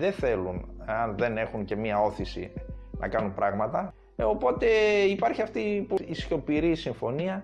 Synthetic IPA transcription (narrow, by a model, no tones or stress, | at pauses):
ðeθe̞luneɐnðe̞ne̞xuŋce̞miɐo̞θisḭnʔɐ̰kɐnumpɾɐɣmɐt̪ɐ | o̞po̞t̪e̞ipɐɾçiɐft̪ipuisço̞piɾisiɱfo̞niɐ